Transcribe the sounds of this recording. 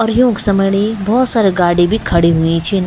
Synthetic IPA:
ɔːɾjũːksɐməɽibɔɦːt̪saːɾeɡaːɽibʱikʰɐɽiɦuĩt͡ʃʰin

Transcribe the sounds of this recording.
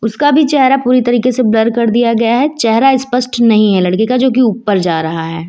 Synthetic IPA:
ʊskabʱit͡ʃɛɦɾapuːɾit̪ɐɾiːkeseblɐɾkɐɾd̪ijaɡɐjaɦɛt͡ʃɛɦɾaɪspəsʈnɐɦĩɦɛlɐɽkikad͡ʒoːk̬iuːpːəɾd͡ʒaːɾɐɦaɦɛː

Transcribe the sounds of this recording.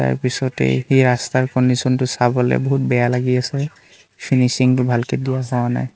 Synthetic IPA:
ta̰ɹpisɔtɛ̰hiɹastaɹkɔndisɔntʊsabɔlɛ̰boɦut̚bɛjalaɡiasɛ | pʰinisiŋtʊbʱalkedijaɦɔwana̰j

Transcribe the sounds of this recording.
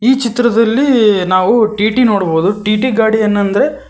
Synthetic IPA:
iːt͡ʃit̪ːɾɐd̪ɐlːinaːʋuʈiːʈino̞ːɽbo̞ːd̪uʈiːʈiɡaːɽiɐnːɐnd̪ɐɾe̞

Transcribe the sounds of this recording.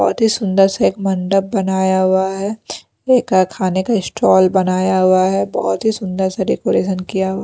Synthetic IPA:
bɔ̰ːɔt̪ɦisʊ̃nd̪əɾsaeːkmɐ̃ɳɖəp̚bɐnaːjaɦʊaɦɛ | eːkakʰaːnekaɪsʈɔːlbɐnaːjaɦʊaɦɛbɔɦt̪ɦisʊ̃nd̪əɾsaɖeːkoɾeːʃənkijaɦʊa

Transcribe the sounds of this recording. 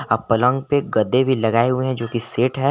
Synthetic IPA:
ɐpɐlə̃ŋɡpeɡɐd̪ebʱilɐɡaːeɦʊeɦɛ̃d͡ʒoːkiseːʈɦɛ

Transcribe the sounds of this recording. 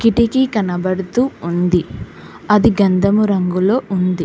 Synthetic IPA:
kiʈikikɐnɐbɐɽut̪uːund̪i | ɐd̪iɡɐnd̪ɐmuɾɐŋɡulo̞ːʔund̪i

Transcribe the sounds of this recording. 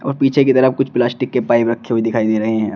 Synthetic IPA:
ɔ̰ːɾpiːt͡ʃʰekit̪ɐɾəfkʊt͡ʃʰplaːsʈɪkːepaːɪbɾɐkʰːeɦoid̪ɪkʰaːid̪eːɾɐɦeɦɛ̃

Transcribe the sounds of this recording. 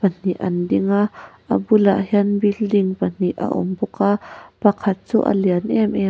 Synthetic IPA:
pɐn̥iʔɐ̰ndiŋaʔɐ̰bula̰ʔhiənbildiŋpɐn̥iʔa̰ʔɔ̰mbukapɐkʰɐt̪̚t͡sṵːʔə̰liənʔɛmʔɛ

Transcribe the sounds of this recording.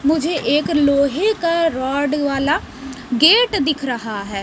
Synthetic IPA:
mʊd͡ʒʱeːʔekloːɦeːkaɾaːɖʋaːlaː | ɡeːʈd̪ɪkʰɾəɦaːɦɛː

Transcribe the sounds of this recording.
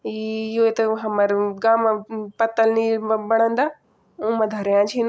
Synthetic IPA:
iɪɦoet̪ɐɦɐməɾɡaːmpɐt̪əlnibɐɽ̃ə̃nd̪aː | ũːmɐ̃d̪ʱɐɾjãt͡ʃʰin

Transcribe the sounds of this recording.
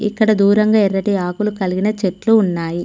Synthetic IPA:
ḭkːɐɽɐd̪uːɾɐŋɡaːiɾːɐʈiaːkulukɐliɡinɐt͡ʃeʈluːnːaːji

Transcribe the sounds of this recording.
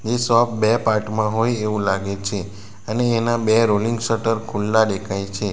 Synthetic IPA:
esɔpbɛpaʈmãɦojeʋũlaɡet͡ʃʰe | əneːnabeɾoliŋɡsəʈəɾkʰulːaɖekʰajt͡ʃʰe

